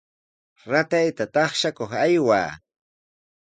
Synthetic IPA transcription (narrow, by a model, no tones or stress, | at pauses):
ɾat̪ajt̪at̪ɑχʃakoχajwa̰ː